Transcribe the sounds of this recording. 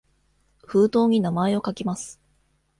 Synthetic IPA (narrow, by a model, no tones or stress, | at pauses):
ɸɯːt̪o̞ːɲ̟inamae̞o̞kakʲimasɨ̥